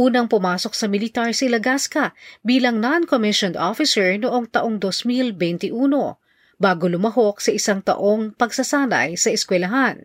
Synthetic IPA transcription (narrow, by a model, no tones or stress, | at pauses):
ʔuːnɐŋpʊmaːso̞k̚sɐmɪlɪt̪aɹsɪlɐɡaskɐbiːlɐŋnankomɪʃondʔofɪsɛɹnoʔo̞ŋt̪ɐʔo̞ŋd̪osmilbɛnt̪ɪʔuːno̞ | baːɡo̞lʊmɐɦo̞k̚sɐʔɪsaŋt̪ɐ̰ʔo̞ŋpɐɡsɐsaːnɐ̰jsɐʔɛskwɛlɐɦan